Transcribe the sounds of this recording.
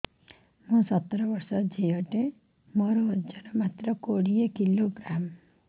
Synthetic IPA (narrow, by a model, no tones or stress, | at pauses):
mũsɔt̪ːɾɔbɔɾsɔd͡ʒejɔʈe | mɔɾɔd͡ʒaɾɔmat̪ɾɔkoɽiekiloɡɾam